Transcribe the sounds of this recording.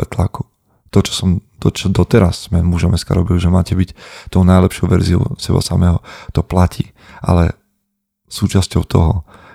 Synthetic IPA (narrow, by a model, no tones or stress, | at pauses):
ɛt̪laku̥ | t̪ɔt͡ʃɔ̥sɔmd̪ɔt͡ʃɔd̪ɔt̪ɛɾasːmɛmuʒɔmɛska̰ɾɔbilʒɛmaːcɛbict̪ɔʊnajlɛpʃɪɔʊʋɛɾziɔ̰ʊsɛba̰samɛːɦɔt̪ɔplacʰiː | ʔa̰lɛ | suːt͡ʃascɔʊt̪ʰɔ̰ɦɔ